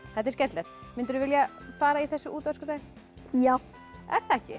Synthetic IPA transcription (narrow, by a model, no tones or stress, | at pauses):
θɛht̪ɛɾscɛt̪lɛɾmɪnt̪ʏɾðʏvɪljafaːɾaiθɛsːʏʔuːt̪askʏt̪aːjn | jaːw | ɛ̰ɾ̥θɛhcɪ̰